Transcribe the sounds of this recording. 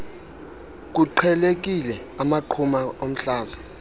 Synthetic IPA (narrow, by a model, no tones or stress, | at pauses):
k̬uǃʰɛlek̬ilɛ | amaǃʰumaom̩ɬaːza